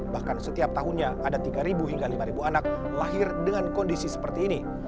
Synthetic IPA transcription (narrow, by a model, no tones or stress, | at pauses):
bahkansət̪iap̚t̪aɦunɲaadat̪iɡaɾibuɦiŋɡalimaɾibuanak̚ | laɦɪrdəŋankɔndisisə̥pərt̪iːni